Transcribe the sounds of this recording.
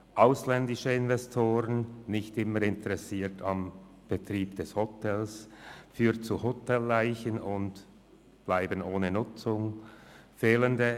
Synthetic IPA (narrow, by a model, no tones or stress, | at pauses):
ʔaʊslɛndɪʃəɪnvɛstʰoːʁənnɪçtɪməɾɪntəʁɛsiːtʰɑm | b̥ətʁiːbd̥ɛshotʰɛlsfyːɐtt͡suhotɛlːaɪçənʊnt | b̥laɪbənoːnənʊt͡sʊŋfeːləndə